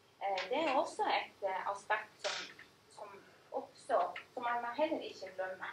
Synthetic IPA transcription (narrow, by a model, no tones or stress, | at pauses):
d̪ɛæɾɔsːɔɛt̪ɑ̰st̪ɑkt̪sɔm | sɔm | ʔɔpst̪oːsɔmɑnɑɦɛlːəɾɪçəd̪ɾœnːə